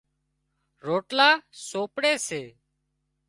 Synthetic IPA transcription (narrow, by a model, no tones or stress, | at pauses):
ɾoːʈlaːsoːpɽeːseː